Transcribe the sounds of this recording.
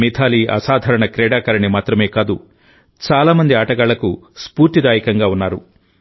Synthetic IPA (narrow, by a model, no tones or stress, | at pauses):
mit̪ʰaːliɐ̰saːd̪ʱɐɾɐɳɐkɾɛːɽaːkɐɾɐɳimaːt̪ɾɐme̞ːkaːd̪u | t͡ʃaːlaːmɐnd̪iaːʈɐɡaːɭɐkuspuːɾt̪id̪aːjikɐŋɡaːunːaːɾu